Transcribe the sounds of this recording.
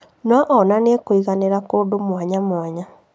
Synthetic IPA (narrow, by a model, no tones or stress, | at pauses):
nwaʔɔnanekoiɣaneɾakoːdomwaɲamwaɲa